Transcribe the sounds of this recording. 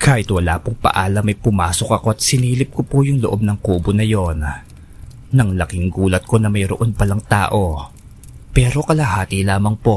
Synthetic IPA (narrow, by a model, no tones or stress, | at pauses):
kʰaːhɪt̪wɐla̰ːpoŋpɐ̰ʔaːlɐmːɐjpʊmaːso̞k̚ʔɐko̞ɐt̪̚sɪniːlɪp̚kopojʊŋloʔo̞b̚nɐŋkuːbonɐjo̞nː | ɐŋlɐkɪŋɡuːlɐt̪̚ko̞nɐmɐjɾoʔo̞npɐlɐŋt̪a̰ːʔo̞ | pɛːɾo̞kɐlɐɦaːt̪ilaːmɐŋpo̞